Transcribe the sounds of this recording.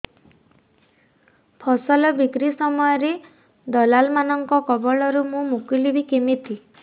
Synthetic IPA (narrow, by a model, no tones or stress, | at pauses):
pʰɔsɔlɔbikɾisɔmɔjɔɾe | d̪ɔlalmanɔŋkɔkɔbɔɭɔɾumũmukilibikemit̪ʰi